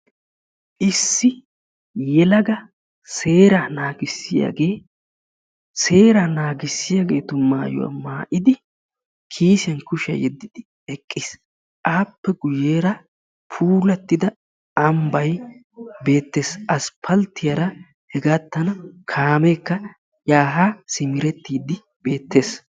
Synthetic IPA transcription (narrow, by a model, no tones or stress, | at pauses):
ʔɪsːɪ | jɛlɐɡɐ | se̞ːɾanaːɡɪsːɪja̰ːɡe̞ː | se̞ːɾɐnaːɡɪsːɪjaɡe̞ːt̪ʊmaːjɔ̰wa̰ːmaːʔɪd̪ɪ | kʰiːsɪjɐnkʊʃɐ̰jɛd̪ːɪd̪ɪ | ɛkʼːɪs | ʔaːpːɛɡʊjeːɾɐ | pʰuːlɐt̪ːɪd̪ɐ | ɐmbɐj | be̞ːt̪ːe̞ːsɐspʰɐlt̪ːɪjɐɾɐ | hɛɡaːt̪ːɐnɐkʰaːmeːkːɐ | jaːɦaːsɪmɪɾɛt̪ːiːd̪ɪ | b̥e̞ːt̪ːe̞ːs